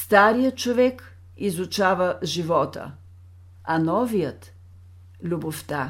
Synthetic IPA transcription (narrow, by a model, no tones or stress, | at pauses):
st̪aɾijət̪̚t͡ʃovɛk | izut͡ʃavəʒivɔt̪ə̰ | anɔvijət̪ | lʲuboft̪a